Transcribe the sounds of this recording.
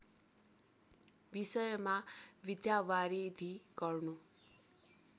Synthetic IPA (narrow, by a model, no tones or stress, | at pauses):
bisʌjmaʋid̪jawaɾid̪ʱiɡ̥ʌrnu